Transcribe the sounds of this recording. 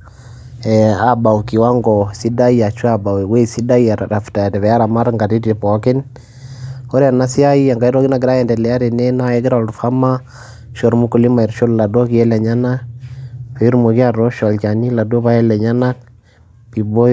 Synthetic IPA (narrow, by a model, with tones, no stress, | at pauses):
ɛa˨ba˨wki˨wa˦ŋɡɔ˨si˦da˦ja˨t͡ʃu˦a˨ba˨we˨we˦˨si˦da˦ja˨ɾɾa˨fta˨tɛ˨βɛ˨ja˦ɾa˨ma˦ɾŋɡa˨ti˦ti˨pɔ˨kɪ˦n | o˦ɾa˨na˦si˦a˦ji˦a˨ŋɡa˦i˦ɾɔ˦ki˦na˨ɡɪɾa˦jɛ˨ndɛ˨lɛ˨ja˦ɾe˨nɛ˦na˦ɛ˦ɡɪ˦ɾɔ˨lɾfa˦ma˦ | ʃɔ˨ɾmu˦ku˨li˦ma˨iɾʃo˦lla˨dɔ˦ki˨ɛ˦lɛ˨ɲa˦na˦k̚pe˨i˦ɾmo˨ki˦a˦ɾɔ˦ʃɔ˨lt͡ʃa˨ni˦la˨do˦βa˦ɛ˦lɛ˨ɲa˦na˦k̚ | pi˨bo˦